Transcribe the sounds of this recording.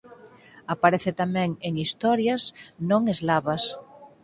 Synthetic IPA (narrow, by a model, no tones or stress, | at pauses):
apaɾeθet̪amɛ̃ŋeŋist̪ɔɾjasnõŋezlaβas